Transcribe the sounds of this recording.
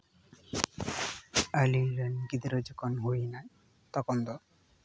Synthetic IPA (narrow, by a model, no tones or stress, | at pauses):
aliɾenɡid̪ɾɔd͡ʒɔkʰɔnɦojnaj | t̪ɔkɔnd̪ɔ